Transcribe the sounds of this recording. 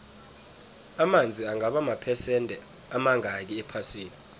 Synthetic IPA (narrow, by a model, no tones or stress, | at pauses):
amand͡zʱiaŋaɓamapʰɛsɛntʼɛ | amaŋʱak̬iɛpʰasiːni